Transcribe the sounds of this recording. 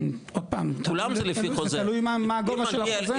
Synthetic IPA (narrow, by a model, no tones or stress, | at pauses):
od̪̚paːmt̪ulamzɛlefikozealujmamaːɡovaʃelaze